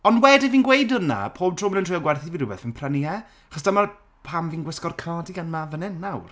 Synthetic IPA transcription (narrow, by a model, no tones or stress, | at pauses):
ɔnwɛdɪviːnɡwejdəna̰pʰoːb̚tʰroːmənəntʰriɔɡwɛrθiviːɾʊbɛθənpʰrəniɛ | aχɔsdamar | pʰamviːnɡwɪskɔrkʰnɔdiɡanmavənɪnːawr